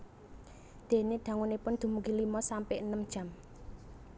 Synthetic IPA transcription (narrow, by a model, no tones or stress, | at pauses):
d̪̥e̤ned̪̥ä̤ŋunepʊnd̪̥ṳmuɡilimɔsampeʔənəmd̥ʒ̥ä̤m